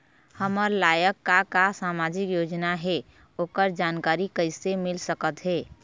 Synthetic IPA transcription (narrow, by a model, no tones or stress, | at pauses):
həməɾlajəkːakasamad͡ʒikjod͡ʒnaɦe | okəɾd͡ʒankaɾikəɪsemilsəkət̪ɦe